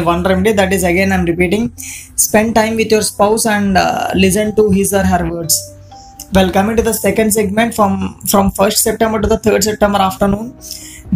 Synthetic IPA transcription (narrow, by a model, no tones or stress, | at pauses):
ʋʌ̃nɾẽmɖed̪æʈizɐɡẽnãɪ̃mɾɪpiːʈĩŋspẽɳɖʈãɪ̃mʋɪt̪ʰjoːɾspaʊsɛ̃ɳɖlɪs̬ə̃ɳɖʈuɦizəɾɦæɾʋəɾɖs | ʋɛlkʌmɪ̃ŋʈud̪əsekə̃ɳɖs̬eɡmẽɳʈfɔ̃mfɾɔ̃mfəɾsʈsɛp̚ʈẽmbəɾʈud̪ət̪ʰəːɾɖsɛp̚ʈẽmbəɾaːfʈəɾnũːn